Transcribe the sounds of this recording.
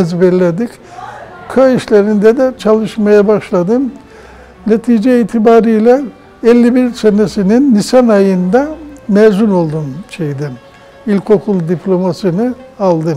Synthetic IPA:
ɛzbɛlʲed̪ic | kʰaiʃlʲeɾind̪ɛd̪ɛt͡ʃʰalˠɯʃmajabaʃlˠad̪ɯm | net̪ʰiːd͡ʒɛiːt̪ʰibaːɾɯjlʲɛ | ɛlʲːibiɾsenesininːisanajɯnd̪amɛzuno̞lˠd̪unt͡ʃʰejd̪ɛm | ilʲkʰo̞kʰulˠd̪iplʲo̞masɯnɯalˠd̪ɯm

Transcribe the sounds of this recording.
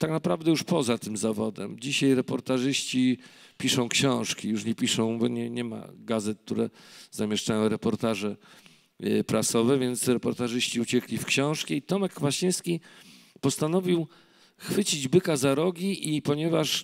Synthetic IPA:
t̪aknapɾavd̪ɛjuʂpɔzat̪ɘmzavɔd̪ɛ̰md͡ʑiɕajɾɛpɔɾt̪aʐɘɕt͡ɕi | pʲiʂɔ̃w̃kɕɔ̃w̃ʂkʲijuʂɲɛpʲiʂɔ̃w̃bɔɲɛɲɛma̰ɡazɛt̪̚k̚t̪uɾɛz̥amʲɛʂt͡ʂajɔ̃w̃ɾɛpɔɾt̪aʐɛ | pɾasɔvɛvʲjɛnt̪sɾɛpɔɾt̪aʐɘɕt͡ɕiut͡ɕɛklʲifkɕɔ̃w̃ʂkʲɛit̪ɔmɛkːvaɕĩjskʲi | pɔst̪anɔvʲiw | xfɘt͡ɕid͡ʑbɘkazaɾɔɡʲiʔipɔɲɛvaʂ

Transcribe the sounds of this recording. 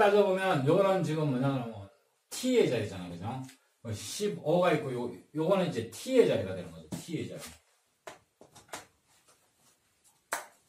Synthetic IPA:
ad͡ʑobomjʌnjoɾand͡ʑiɡɯmɯɲaɡnao | tʰied͡ʑaɾid͡ʑanaɡɯd͡ʑaŋ | kɯɕiboɡaik͈ːojojoɡoneid͡ʑetʰie̞d͡ʑaɾiɡad̪e̞nɯŋɡʌd͡ʑitʰie̞d͡ʑa̰ɾi

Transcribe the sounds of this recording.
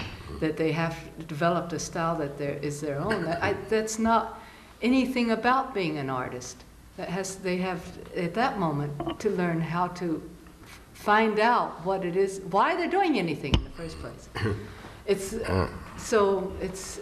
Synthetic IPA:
ðɨt̪̚ðeɪɦɨvdɨvɛlˠəp̚tɨstaɪlˠðɨt̪̚ðə˞ʔɪzðə˞õʊ̃nðɨʔaɪðætsnəɾ | ɛniθɪ̃ŋɨbaʊt̚b̥iɪ̃ŋɨ̃nɑ̰ɹɾɨst | ðɨt̚ɦɨzðeɪɨvɨt̪̚ðɨt̚mõʊ̃mɨ̃ntʰɨlɜ̃˞nɦaʊɾɨ | fãɪ̃ndaʊt̚wʌɾɨɾɪzwaɪðə˞dʉɪ̃ŋɛniθɪ̃ŋɨ̃nðɨfɜ˞spʰl̥ḛɪs | ɨts | soʊɪts

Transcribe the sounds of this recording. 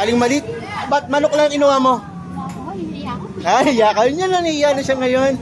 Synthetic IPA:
aːlɪŋmɐlɪt̪̚ | bɐt̪̚mɐnok̚lɐŋŋʔɪnʊwamo̞ | ajjaːkɐjɲɐnɐŋijanɐʃaŋɐjon

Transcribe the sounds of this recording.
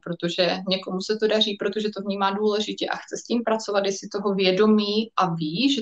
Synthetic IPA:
pɾot̪o̞ʒɛɲɛko̞musɛt̪o̞dar̝iːpɾo̞t̪o̞ʒɛt̪o̞vɲiːmaːduːlɛʒɪcɛʔa̰xt͡sɛsciːmpɾat͡so̞vat̪jɛsɪt̪o̞ɦo̞vjɛdo̞miːʔaviːʒɛ

